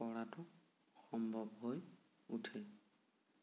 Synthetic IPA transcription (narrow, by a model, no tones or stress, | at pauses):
pɔɹatʊ | xɔmbʱɔbɦoj | utʰɛ